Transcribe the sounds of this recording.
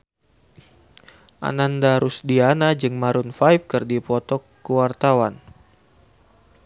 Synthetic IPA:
ʔa̰nandaɾusdianad͡ʒɨŋmaɾʊnfajfkɨrdipɔt̪ɔkːəwart̪awan

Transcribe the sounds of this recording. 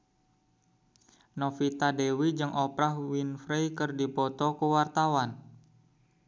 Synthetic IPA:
nofit̪adewid͡ʒɨŋʔɔpɾahwinfɾejkɨrdipɔt̪ɔkəwart̪awan

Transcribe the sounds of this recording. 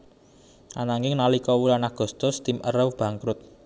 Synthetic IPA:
ʔa̰naŋɪŋnalikɔwulanaɡ̥ṳst̪ʊst̪ɪmə̰rəwb̥ä̤ŋkɾʊt̪̚

